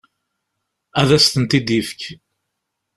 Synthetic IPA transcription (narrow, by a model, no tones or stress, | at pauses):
æðæst̪ənt̪id̪ifə̥k